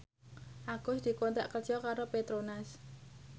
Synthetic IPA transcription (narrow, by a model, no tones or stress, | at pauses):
ʔaɡ̥ʊsd̪̥i̤kont̪aʔkərt͡ʃɔkaɾopet̪ɾonas